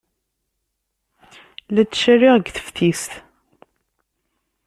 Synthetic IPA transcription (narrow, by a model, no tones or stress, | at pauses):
læt͡sːʃæriʁəɡθə̥fθisθ